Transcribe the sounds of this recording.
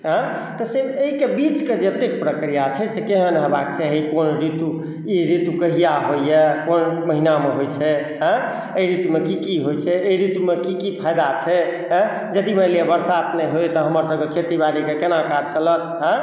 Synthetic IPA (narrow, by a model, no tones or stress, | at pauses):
ɦə̃ | t̪ɔsebeɦikebit͡ʃked͡ʒet̪ekpɾəkɾijat͡ʃʰɛsekeɦənɦəbak̚t͡ʃʰɛɦiikonɾit̪u | iɾit̪ukəɦijaɦoijɛkonməɦinameɦojt͡ʃʰɛ | ɦə̃ | əiɾit̪umekikiɦojt͡ʃʰɛeiɾit̪umekikipʰajd̪at͡ʃʰɛɦ | d͡ʒəd̪iməliebəɾsaəpneɦojt̪ɔɦəməɾsə̃mkekʰet̪ibaɾikekenakad͡ʒt͡ʃələt̪̚ɦə̃